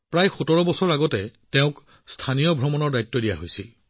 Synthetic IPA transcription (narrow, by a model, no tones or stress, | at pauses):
pɹajxutɔɹɔbɔsɔɹaɡɔtɛteʊ̃k | stʰanijɔbʱɹɔmɔnɔɹdajtːɔdijaɦojsil